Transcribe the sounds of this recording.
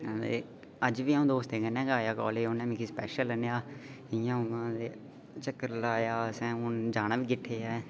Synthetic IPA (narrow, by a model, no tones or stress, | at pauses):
ḛ | əd͡ʒʋiːaũːd̪oːst̪ẽːɡənɛ̃ːɡaːjaːkɔːleːonɛːmɪkiːspɛːʃələnjaː | ɪjãːʊʋãːd̪eː | t͡ʃəkːəɾlaːjaːsɛ̃ːʊnd͡ʒaːnãːʋiːɡɪʈʰːeːaː